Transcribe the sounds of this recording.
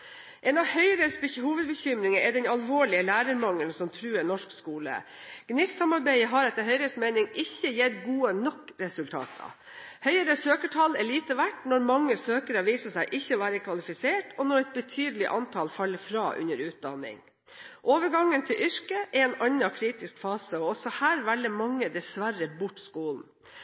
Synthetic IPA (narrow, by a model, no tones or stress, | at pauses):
ʔeːnɑʋhœʏəɾəshuːʋəd̪̚bəçʏmɾɪŋəɛd̪ɛnɑlʋoːɭɪəlæːɾəɾmɑŋəlnsɔmt̪ʰɾʉːənɔʂkskuːlə̰ | ɡ̥nɪːssɑmɑɾbæɪəɦɑɾɛt̪ːəɾɦœʏɾəsmeɪnɪŋɪçːəjeːɾɡuːənɔkːɾɛsʉlt̪ʰɑ̰ːt̪ʰɑ̰ | hœʏəɾəsøːkəʈʰɑlːɛɭiːt̪əʋæʈnɔɾmɑŋːəsøːkəɾɑʋiːsəsæɪʔɪçːəɔʋæːɾəkʰʋɑlɪfɪseːʈʰɔnɔɾɛt̪̚bət̪ʰyːd̪əlɪʔɑnt̪ʰɑlfɑlːəfɾɑːʔʉ̰nəɾʉːt̪̚d̪ɑnɪ̰ŋ | ʔoːʋəɾɡɑŋːənt̪ʰɪlʔʏʂkəʔɛɛːnɑɲːɑkʰɾiːt̪ɪskfɑːsəɔɔsɔhæːɾʋælːəmɑŋːəd̪ɛsʋærəbʊʈːskuːln̩